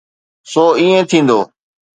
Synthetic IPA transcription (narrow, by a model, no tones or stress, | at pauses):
soːiːẽːt̪ʰĩːn̆d̪oː